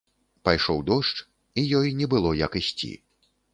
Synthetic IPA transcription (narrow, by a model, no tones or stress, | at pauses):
pajʂɔwd̪ɔʂt͡ʂ | ijɔjnʲɛbɨlˠɔjɐkɨsʲt͡sʲḭ